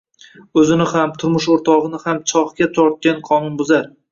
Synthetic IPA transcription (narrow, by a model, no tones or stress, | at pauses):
ɵzɪnɪhamt̪ʰʊɾmʊʃoɾt̪ʰɒʁɨnɪhamt͡ʃʰɒχkʲat̪ʰɒɾt̪̚kʲanqʰɒnʊnbʊzaɾ